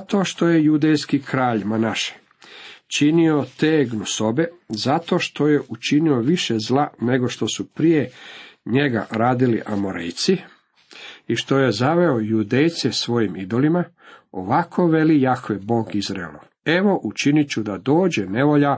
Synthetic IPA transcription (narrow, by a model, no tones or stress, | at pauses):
at̪o̞ːʃt̪o̞je̞jud̪ejskikɾaːʎmanaʃe̥ | t͡ʃinio̞t̪eːɡnuso̞be̞zat̪o̞ːʃt̪o̞je̞ʔut͡ʃinio̞ʋiʃezlˠane̞ɡo̞ʃt̪o̞supɾijeɲe̞ɡa̰ɾaːd̪iliʔamoɾḛjt̪si | iʃt̪o̞je̞zaʋe̞ojud̪ejt̪sesʋo̞jimid̪o̞lima | o̰ʋakʰo̞ʋe̞lijakʋebo̞ːɡizɾaḛlo̰ʋ | e̞ʋo̞ʔut͡ʃinit͡ɕud̪ad̪o̞ːd͡ʑene̞ʋo̞ʎa